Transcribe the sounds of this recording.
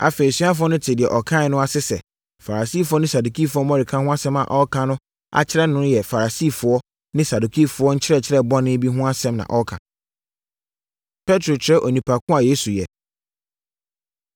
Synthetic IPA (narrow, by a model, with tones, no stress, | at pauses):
a̰˨fe˨i˨si˦a˦fʊ˦ɔ˦nʊ̃˦tʰɪ˨dɪ˨ɛ˨ʔɔ˨kʰã˦˨˦nʊ̃˦a˨sɪ˦sɛ̰˨ | fa˨ɾa˨si˦˨fʊ˦ɔ˦nɪ̃˦sa˨du˨kʰi˦˨fʊ˦ɔ˦mɔ̃˦ɾi˨kʰã˦hʊ̃˦a˦sɛ̃˦ma̰˨ʔɔ˦kʰã˨nʊ̃˦ | a̰˨t͡ɕʰɪ˦ɾɛ˦nʊ̃˦jɛ˨fa˨ɾa˨siː˦˨fʊ˨ɔ˦ | nɪ̃˦sa˨du˨kʰi˦˨fʊ˨˦ɔ˦ɲ̩˦t͡ɕʰɪ˦ɾɛ˦˨t͡ɕʰɪ˦ɾɛ˦˨bɔ˦nɪ̃˦bi˦ɦʊ̃˦a˦sɛ̃˦mnã̰˨ʔɔ˦kʰã̰˨ | pʰɛ˦tʰɾo˨t͡ɕʰɪ˦ɾɛ˦ʔo˨nĩ˨pʰa˨kʰʊ̃˦a˨jeː˦su˨jɛ˨